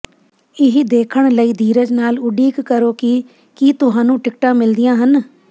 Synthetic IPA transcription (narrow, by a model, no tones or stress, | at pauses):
ɪɦid̪eːkʰəɳləiːd̪iːɾəd͡ʒnaːlʊɖiːkːəɾoːkiː | kiːt̪ʊɦãːnũːʈɪkʈãːmɪld̪ɪjãːɦən